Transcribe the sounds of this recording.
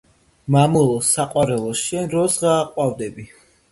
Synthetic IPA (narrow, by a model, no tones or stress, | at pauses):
mamulˠɔsaqʼwaɾɛlˠɔʃɛnɾɔsʁaːqʼwavd̪ɛbi